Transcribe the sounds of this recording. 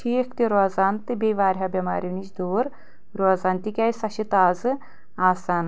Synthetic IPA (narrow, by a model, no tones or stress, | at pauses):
ʃʰiːkʰt̪iɾozaːnt̪ɨbʲeʋaːɾʲɦabʲɐma̰ːɾʲiʋnit͡ʃd̪oːɾ | ɾoːzaːnt̪ikʲaːjsɐʃit̪aːzɨ | aːsaːn